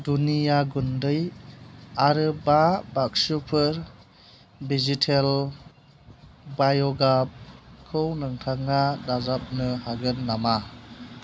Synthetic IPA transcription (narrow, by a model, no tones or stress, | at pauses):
dunijaɡundɯj | aɾɯbabak̚supʰɯɾ | bizitʰel | bajɔɡap̚kʰɯwnɯŋtʰaŋadazap̚nɯhaɡɯnːama